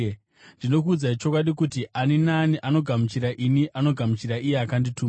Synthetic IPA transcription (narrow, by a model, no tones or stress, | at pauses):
ndino̞k̬uːd͡zait͡ʃo̞kwaɗikutianinaniʔano̞ɡʱamut͡ʃiɾaʔiniʔano̞ɡʱamut͡ʃiɾaijeakanditʰuː